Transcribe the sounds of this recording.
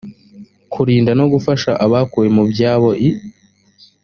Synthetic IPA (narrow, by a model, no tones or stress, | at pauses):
kʰuɾiːndano̞ɡufaʃaʔaβakuwe̞mubjaːβo̞ʔi